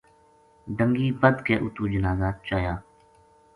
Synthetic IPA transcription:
ɖə̃ŋɡiːbəd̪keːʔʊt̪uːd͡ʒənaːzaːt͡ʃaːjaː

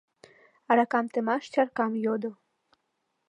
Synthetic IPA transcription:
ɑɾɑkɑmt̪ɘ̆mɑʃt͡ɕʲɑrkɑmjod̪o

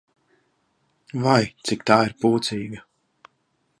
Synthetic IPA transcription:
vajt̪sɪkt̪aːiɾpuːt̪siːɡɐ

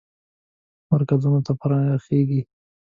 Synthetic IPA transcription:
maɾkazunot̪apəɾɑəxeɡi

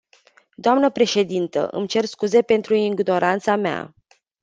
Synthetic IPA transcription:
d̪oamnəpɾe̞ʃe̞d̪int̪ə̰ʔɨ̰mt͡ʃe̞rskuze̞pe̞nt̪ɾuiŋɡno̞ɾʔant̪samea̰

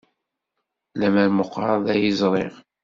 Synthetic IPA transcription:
læmæɾmʊqːɾˤɑðˤæjizˤɾˤeʁ

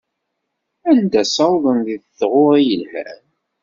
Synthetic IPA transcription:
ænd̪æsɑwðˤənɡðθʁʊɾˤijəlhæ̰n

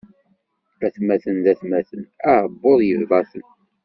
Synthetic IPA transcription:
æθmæθənðæθmæθənæʕəbːoðˤjəðvɑθən

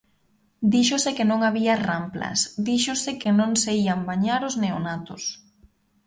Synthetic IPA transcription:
d̪iʃosɪkɪnõŋaβiarampla̰sd̪iʃʊsɪkɪnõŋseiambaɲaɾozneonat̪ʊs

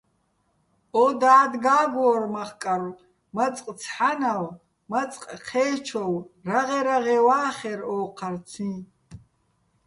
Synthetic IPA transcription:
ɔd̪aːd̪ɡaːɡʷɔːrmaχkʼaɾ | mat͡sʼqʼt͡sʰħanaw | mat͡sʼqʼqʰɛːt͡ʃʰɔwraʁɛɾaʁɛwaːχɛɾɔːqʰart͡sʰĩ

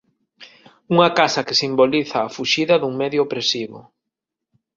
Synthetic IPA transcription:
uŋɐkasɐkesimboliθɐːfuʃiðɐðuŋmɛðjoopɾesiβʊ̰

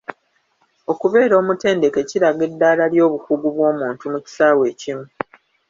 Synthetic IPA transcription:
o̞kuβe̞ːɾo̞ːmute̞ːnde̞ke̞ciɾaɡe̞dːaːlaljo̞ːβukuɡuβwo̞ːmuːntumuci̥saːwe̞ːcimu

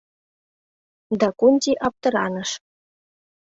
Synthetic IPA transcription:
d̪ɑkunʲtiʔɑp̚t̪ɤ̆ɾɑ̰nə̆ʃ

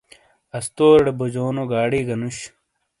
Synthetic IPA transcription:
ɐst̪oːɽebod͡ʑoːnoɡaːɽiːɡɐnuɕ

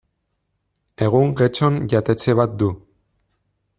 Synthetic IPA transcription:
e̞ɣ̞uŋɡet͡ʃo̞nʝat̪e̞t͡se̞βat̪̚d̪u

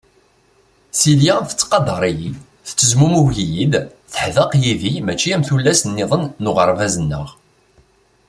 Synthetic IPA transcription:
siljæfə̥t͡sːqɑd̪ˤɑɾˤiji | θə̥t͡sːəzmumuʝijid̪ | θəħðəqjiðimæt͡ʃːiæmθulːæsənːɪðˤənːʊʁəɾˤvæzənːəʁ

